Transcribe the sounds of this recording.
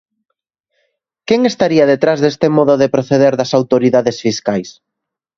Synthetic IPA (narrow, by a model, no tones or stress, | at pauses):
keŋest̪aɾiɐðet̪ɾazðest̪emɔðʊðepɾoθeðeɾðɐsawt̪oɾiðaðesfiskajs